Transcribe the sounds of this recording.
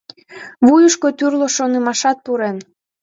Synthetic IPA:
βujuʃkot̪yrloʃonəmɑʃɑt̪̚puɾen

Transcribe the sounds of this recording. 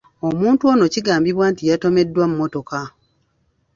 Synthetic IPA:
o̞muːntuo̞no̞ciɡaːmbiβwaːntijato̞me̞dːwamumːo̞to̞ka

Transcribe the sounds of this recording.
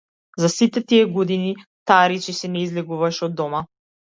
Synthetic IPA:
zasit̪ɛt̪iɛɡɔd̪ini | t̪aɾit͡ʃisɛnɛizlɛɡuvaʃɛɔd̪ːɔma

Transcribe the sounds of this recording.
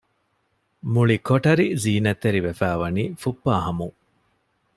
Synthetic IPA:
muɭikoʈɐɾiziːnɐt̪ːeɾiʋefæːʋɐniːfupːaːɦɐmu

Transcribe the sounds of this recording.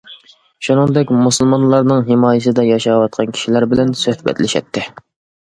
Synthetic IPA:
ʃunɨŋd̪ɛkʲmusɨlˠmɑnlˠɑɾnɨŋɦɪmɑːjɪsɨd̪ɛjɑʃɑwɑt̪̚qʰɑnkʲʰi̥ʃilæɾbɪlɛnsøhbɛ̰t̪lɪʃɛ̰t̪ʰːɪ

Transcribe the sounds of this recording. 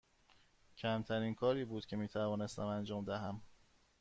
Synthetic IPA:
cʰæmt̪ʰæɾinkʰɒːɾiːbuːd̪̥cʰe̞miːt̪ʰævɒːne̞st̪æmænd͡ʒɒːmd̪æɦæm

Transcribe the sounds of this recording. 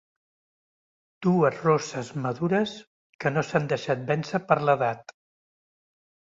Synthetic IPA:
d̪̥uəzrɔsəzməðuɾəs | kənosand̪əʃat̪̚bɛnsəpəɾləðat̪

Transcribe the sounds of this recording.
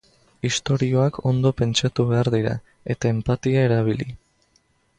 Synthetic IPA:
ist̪o̞ɾio̞akʰo̞nd̪o̞pe̞nt͡ʃat̪uβ̞e̞aɾðiɾa̰ | e̞t̪ae̞mpat̪iae̞ɾaβ̞ili

